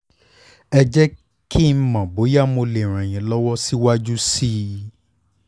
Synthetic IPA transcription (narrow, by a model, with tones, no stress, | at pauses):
ɛ˧d͡ʒɛ˦ | ki˦˨˧mã˨bo˨˦ja˦˨mo˧le˨ɾ̃ɛ̃˨j̃ĩ˨lɔ˦wɔ˦si˦wa˦d͡ʒu˦si˦